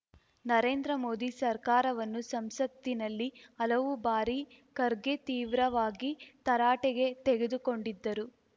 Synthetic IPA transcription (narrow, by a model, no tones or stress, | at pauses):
nɐɾe̞ːnd̪ɾɐmo̞ːd̪isɐɾkaːɾɐʋɐnːusɐmsɐt̪ːinɐlːiɐlɐʋubaːɾikɐɾɡet̪iːʋɾɐʋaːɡit̪ɐɾaːʈɛɡe̞t̪eɡe̞d̪uko̞ɳɖid̪ːɐɾu